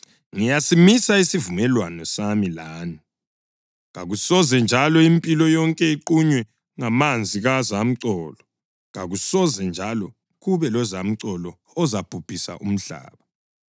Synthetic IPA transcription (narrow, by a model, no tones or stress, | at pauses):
ŋijasimisaisivumɛlwanɔsamilaːni | ŋaɣusɔzɛnd͡ʒʱalɔimpʼilɔjɔŋkʼɛiǃuɲwɛ | ŋamand͡zʱiɣazam̩ǀɔːlɔ | ŋa̰ɣusɔzɛnd͡ʒʱalɔ | ɣuβɛlɔzam̩ǀɔlɔ | ɔzab̥ʱub̥ʱisa̰ʔṵm̩ɮa̰ːβa